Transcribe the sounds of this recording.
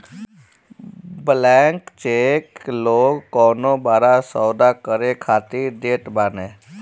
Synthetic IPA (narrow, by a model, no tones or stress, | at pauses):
blɛːŋkt͡ʃeːkloːɡːɔːnõːbaːɾasɔːd̪aːkəɾekʰaːt̪iːd̪eːʈbaːneː